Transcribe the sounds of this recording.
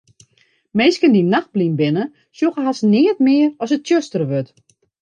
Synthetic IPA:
meːskəndinaxt̚blinbɪnə | sjoxəɦasnɪːətmɪːərɔsət̚tjøstərəʋøt

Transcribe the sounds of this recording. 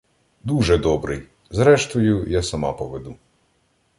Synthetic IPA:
d̪uʒɛd̪ɔbɾʔɪj | zɾɛʃt̪ɔjʊjɛsɐmɑ̰pɔʋed̪u

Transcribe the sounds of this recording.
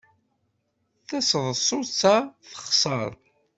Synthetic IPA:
θæsəðˤsˤʊt͡sːaθə̥χsˤəɾˤ

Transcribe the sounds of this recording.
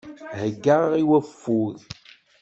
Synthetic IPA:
həɡːaiwæfːuð

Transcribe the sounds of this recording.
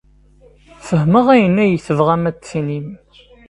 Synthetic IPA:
fəɦməʁæjənːæjəθəvʁæmæt͡sːsinim

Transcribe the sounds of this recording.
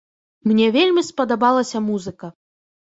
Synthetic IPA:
mnʲɛvʲelʲmʲispɐd̪abalˠɐsʲɐmuzɨkɐ

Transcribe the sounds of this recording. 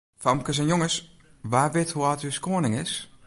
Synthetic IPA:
famkəs̬ɛnjoŋəs | ʋaːʋɪthuatyskoənɪŋɪs

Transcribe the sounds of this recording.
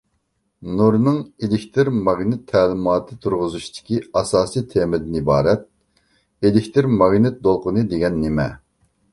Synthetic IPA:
nuɾnɨŋelɪkʲt̪ʰɪɾmɑɡnɪt̪ʰːɛlɪmɑːt̪ʰɨt̪ʰuɾʁʊzuʃt̪ʰɪ̥kʲiɑsɑːsijt̪ʰemɪd̪ɪnibɑːɾɛt̪̚ | elɪkʲt̪ʰɨɾmɑɡnɪt̪̚d̪olˠqʊnɨd̪eɡʲɛnːemɛ

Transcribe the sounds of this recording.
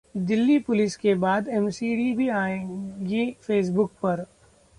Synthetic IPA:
d̪ɪlːipʊlɪskebaːd̪ɛmsiːɖibʱiaːẽɡifeːs̬bʊk̚pɐɾ

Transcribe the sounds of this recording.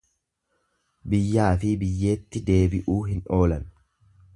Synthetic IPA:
bɪjːaːfɪbɪjːe̞ːt̪ːɪd̪e̞ːbɪʔuːɦɪnʔo̞ːlɐn

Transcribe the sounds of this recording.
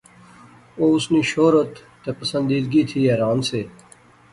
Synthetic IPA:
oːʊsniʃoːɾət̪ːɐpɐsə̃nd̪iːd̪ɡit̪ʰiːɛːɾaːnseː

